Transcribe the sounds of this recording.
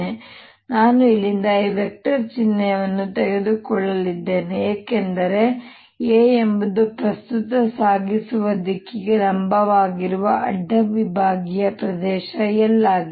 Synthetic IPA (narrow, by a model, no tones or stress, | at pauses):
e | naːnuilːind̪ɐibɛk̚ʈɐɾt͡ʃinːɐjɐʋɐnːut̪ɛɡed̪ukɔɭːɐlid̪ːe̞ːneeːkend̪ɐɾe̞ | eːembud̪upɾɐst̪ut̪ɐsaːɡisuʋɐd̪ikːiɡeɾɐmbɐʋaːɡiɾuʋɐʔɐɖʱːɐʋibʱaːɡijɐpɾɐd̪ɛːʃɐjɛlːaːɡ